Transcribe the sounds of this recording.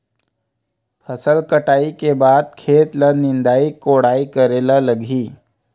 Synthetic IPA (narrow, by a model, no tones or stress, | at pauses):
fəsəlkəʈaikebad̪̚kʰet̪lənind̪aiːkoɽaikəɾelələɡʱiː